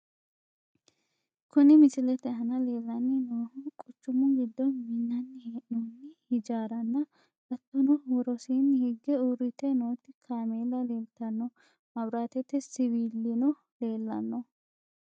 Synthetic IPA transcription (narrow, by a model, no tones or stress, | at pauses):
kʊnɪmɪsɪlɛt̪ɛhɐnɐle̞ːlːɐnːɪnoːhʊkʼʊt͡ʃːʊmʊɡɪd̪ːɔnminːɐnːɪheːʔnunːɪhɪd͡ʒaːɾɐnːɐ | bɐt̪ːɔnɔwɔɾɔsiːnːɪhɪɡːɛuɾɪt̪ɛnoːt̪ːɪkʰaːmeːlɐle̞ːlt̪ɐnːɔ | mɐbɾaːt̪ɛt̪ːɪsɪwiːlːɪnɔ | le̞ːlːɐ̰nːɔ